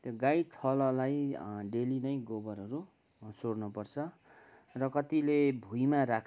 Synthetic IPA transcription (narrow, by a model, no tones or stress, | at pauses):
t̪joɡajt̪ʰʌlʌlajɖelinʌjɡobʌɾʌɾu | sornupʌrt͡sʰʌ | rʌkʌt̪ilebʱujmaɾakʰ